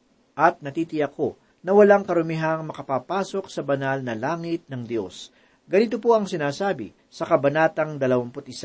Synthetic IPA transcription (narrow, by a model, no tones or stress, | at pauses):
ʔɐt̪̚nɐt̪iːt̪ɪjɐko̞ | nɐwɐlaŋkɐɾʊmɪɦɐŋmɐkɐpaːpaːso̞k̚sɐbɐnalnɐlaːŋɪt̪̚nɐŋd̪jo̞s | ɡɐnit̪̬opoʔɐŋsɪnaːsaːbɪ̰ | sɐkɐbɐnaːt̪ɐŋd̪ɐlɐwɐmpʊt̪̚ʔɪsa